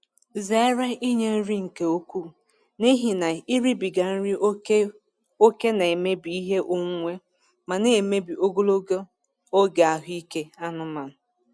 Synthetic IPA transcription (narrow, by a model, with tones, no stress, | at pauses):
ze˦a˦ɾe˦ʔi˦ɲe˦n̩˦ɾi˦ŋ̩˨ke˨o˦kʷu˦˨ | ni˦ɦi˨na˨i˦ɾi˦bi˨ɡa˨n̩˦ɾi˦ | o˦ke˦na˨e˨me˦bi˨i˦ɦe˦ʔo˦ŋ˦ŋʷe˦ | ma˨ne˨me˦bi˨o˦ɡo˦lo˦ɡo˦ | o˦ɡa˨a˨ɦi˦ke˦a˦nʊ˦ma˨nʊ˨